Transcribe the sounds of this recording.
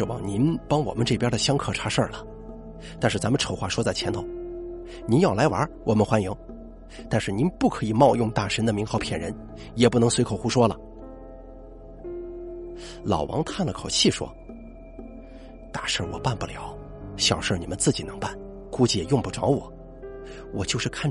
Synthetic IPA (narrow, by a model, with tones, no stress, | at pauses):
ʂɻ̩˥˧wɑ̰˨˩ŋni˧˥npɑ˥ŋwɔ̰˨˩mə˦nʈ͡ʂɤ˥˩pjɛ˥də˨ɕjɑ˥ŋkʰɤ˨˩ʈ͡ʂʰa˧˥ʂə˞˥˩lə˩ | t̪a˥˧nʂɻ̩˥˩t͡sa˧˥mə˧ʈ͡ʂʰo˧˨˩ʊxwa˥˩ʂwɔ˥t͡sa˥˩ɪt͡ɕʰjɛ˧˥nt̪ʰo˧˥˦ʊ | ni˧˥njɑ˥˩ʊla˧˥ɪwɐ̰˞˧˥wʔɔ˨˩mə˧nxwa˥nji˧˥ŋ | t̪a˥˧nʂɻ̩˥˩ni˧˥npu˥˩kʰɤ˧˥i˨˩mɑ˥˧ʊjʊ˥˧ŋt̪a˥˩ʂə˧˥nd̪ə˨mi˧˥ŋxɑ˧˥ʊpʰjɛ˨˩nɻə̰˧˥n | jɛ˨˩pu˥˩nɤ˧˥ŋswe˧˥kʰo˨˩ʊxu˥ʂwɔ˥lə˨ | lɑ̰˨˩ʊwɑ̰˧˥ŋt̪ʰa˥˩nlə˨˩kʰo˨˩ʊt͡ɕʰi˥˩ʂwɔ̰˥ | t̪a˥˧ʂə˞˥˩wɔ̰˨˩pa˥˩npu˥˩ljɑ˧˥ʊ | ɕjɑ˨˩ʊʂə˥˩ni˨˩mə˦nt͡sɹ̩˥˩t͡ɕi˨˩nɤ˧˥ŋpa˥˩n | ku˥t͡ɕi˥jɛ˨˩jʊ˥˧ŋpu˥˩ʈ͡ʂɑ˧˥ʊwɔ̰˨˩˦ | wɔ˨˩t͡ɕjo˥˧ʊʂɻ̩˥˧˩kʰa˥˩n